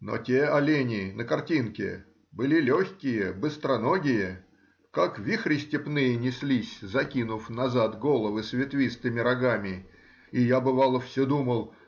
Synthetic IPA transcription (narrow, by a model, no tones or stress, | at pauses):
no̰tʲeɐlʲenʲɪnʔəkɐrtʲinkʲɪ̰ | bɨlʲilʲoçʲkʲɪjəbɨst̪ɾɐnoɡʲɪjə | kakvʲixɾʲɪsʲtʲɪpnɨjənʲɪsʲlʲisʲzɐkʲinʊfnɐzat̪ɡo̞lˠəvɨsvʲɪt̪vʲist̪ɨmʲɪɾɐɡamʲɪ | ijabɨvalˠəfsʲod̪uməlˠ